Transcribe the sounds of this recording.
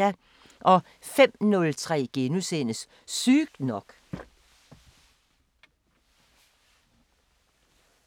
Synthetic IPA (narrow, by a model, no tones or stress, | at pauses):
æ | ʔɒ̽ | fem̰nɔlt͡sʰʁɛ̰ːɡ̥e̝nusenəs | syːɡ̥̚d̥nɒɡ̥